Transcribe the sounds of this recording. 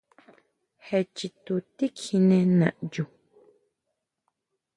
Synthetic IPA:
hɛ˨t͡ʃi˨t̪u˨ti˦kʰi˨nẽ˧nã̰˨ʔd͡ʒu˨

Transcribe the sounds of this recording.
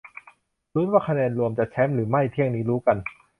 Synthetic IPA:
ɾu˦˥waː˥˩kʰa˧nɛː˧nɾu˧əmt͡ɕa˨˩t͡ɕʰɛ˦˥mɾɯː˩˦ma˥˩jt̪ʰi˥˩əŋniː˦˥ɾuː˦˥ka˧n

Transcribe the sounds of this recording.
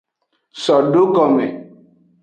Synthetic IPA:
sɔ˨ɖo˦kɔ˨mɛ˨

